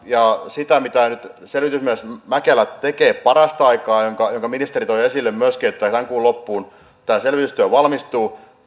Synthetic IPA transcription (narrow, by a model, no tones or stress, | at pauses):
jɑsit̪æmit̪ænyt̪ | selʋit̪ysmiesmækelæt̪ekeːppɑrɑst̪ɑikɑːjoŋkɑjoŋkɑminist̪erit̪oijesilːemmyøskiet̪ːæt̪æŋkuːlopːuːn | t̪æːselʋit̪yst̪yæˑʋɑlmist̪uː